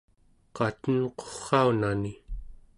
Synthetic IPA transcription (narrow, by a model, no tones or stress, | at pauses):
qɑt̪ənqo̥χːɑunani